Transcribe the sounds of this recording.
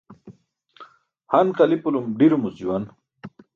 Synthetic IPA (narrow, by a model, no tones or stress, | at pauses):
hanqalipulumɖiɾumusiwan